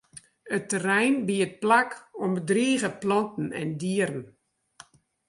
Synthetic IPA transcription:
ətərɛjnbiət̚plakɔmbədriːɣəplɔntn̩ɛ̰ndiəɾən̩

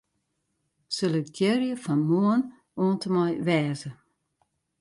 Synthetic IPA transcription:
søləkɡʰjɛrjəfanmoən | oəntʰəmɔjʋɛːzə

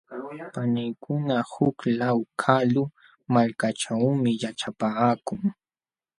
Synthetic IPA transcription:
panɪkʰʊnahʊklawkʰalʊ | malkaʈ͡ʂawmɪjat͡ʃapaːkʊŋ

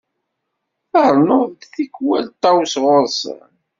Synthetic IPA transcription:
θɑɾˤnoðd̪θikːwælt̪ːɑwsʁʊɾsə̰

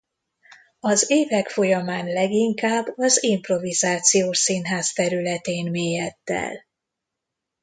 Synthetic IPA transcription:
ɒzeːvɛkfo̞jɒmaːnlɛɡiŋkaːbːɒzimpro̞vizaːt̪sijoːʃsinɦaːzt̪ɛɾylɛt̪eːnmeːjɛt̪ːɛ̰l

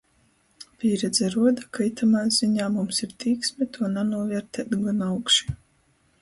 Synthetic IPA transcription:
pʲiːɾɛd̪zɛɾuɔd̪akajt̪ʰamaːjz̥iɲaːmumsiɾt̪ʲiːksʲmɛt̪ʰuɔnanuɔvʲɛɾt̪ɛːt̪ɡanawkʃi̥

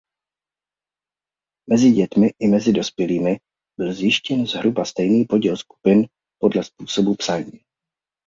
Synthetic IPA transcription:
mɛzɪɟɛt̪mɪʔɪmɛzɪdo̞spjɛliːmɪ | b̥ɪlzjɪʃcɛnzɦɾubast̪ɛjniːpo̞ɟilsku̥pɪn | po̞dlɛspuːso̞bupsaɲiː

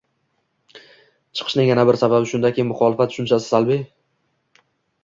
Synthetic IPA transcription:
t͡ʃʰɨ̥qʰɨʃnɪŋjanabɪɾsababɪʃʊnd̪akʲijmʊχɒlɪfat̪ʃʊnt͡ʃʰasɪ̥zalbɪ

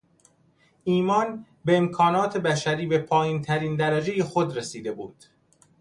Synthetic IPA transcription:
ʔiːmɒːn | beemkʰɒːnɒːt̪ʰe̞bæʃæɾiːbepʰɒːjiːnt̪ʰæɾiːnd̪æɾæd͡ʒejexod̪ɾesiːd̪e̞buːd̪̥

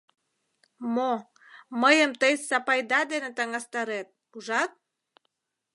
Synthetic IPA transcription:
mo | məjəmt̪əjsɑpɑjd̪ɑd̪enet̪ɑŋɑst̪ɑɾet̪̚kuʒɑt̪̚

